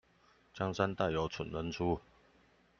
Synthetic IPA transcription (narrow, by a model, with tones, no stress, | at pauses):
t͡ɕjɑ˥ŋsa˥˦nt̪a˥˩ɪjo˧˥ʊt͡sʰə˨˩nlə˧˥nt͡sʰu˦